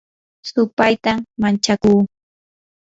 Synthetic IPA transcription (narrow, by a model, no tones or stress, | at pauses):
sʊpajt̪amant͡ʃakuː